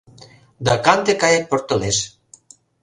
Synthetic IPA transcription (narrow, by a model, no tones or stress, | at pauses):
d̪akant̪ekajak̚poɾt̪əles